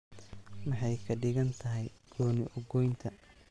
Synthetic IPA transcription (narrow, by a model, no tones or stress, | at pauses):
mɑħɑjkʰɐɖɪɣɐnt̪ʰɐɦɛjɡ̥ɔːnɪʔɔɡɔjnt̪ʰɐ